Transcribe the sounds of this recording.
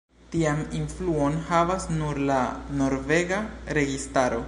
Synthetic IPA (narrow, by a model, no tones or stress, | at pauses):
tiaminfluonhavasnuɾlano̞ɾve̞ɡaɾe̞ɡistaɾo̞